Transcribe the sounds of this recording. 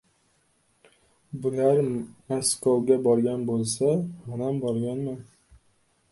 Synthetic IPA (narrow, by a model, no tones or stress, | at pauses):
bʊlaɾaskɒwɡʲabɒɾɡʲanbolˠsamʊnambɒɾɡʲanman